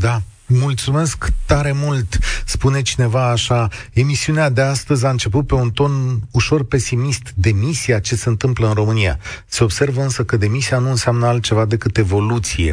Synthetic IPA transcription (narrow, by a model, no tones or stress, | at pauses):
d̪a | mult̪sume̞skt̪aɾe̞mult̪spune̞t͡ʃine̞vaːʃae̞misiunead̪e̞ast̪əzʲaɨnt͡ʃe̞p̬ut̪̚pe̞unt̪o̞nuʃo̞rpe̞simist̪d̪e̞misiat͡ʃe̞se̞ɨnt̪ɨmpləɨnro̞mɨnija̰se̞o̞bse̞rvəɨnsəkəd̪e̞misianuɨnseamnəalt̪̚t͡ʃe̞vad̪e̞kɨt̪e̞vo̞lut̪sije̞̰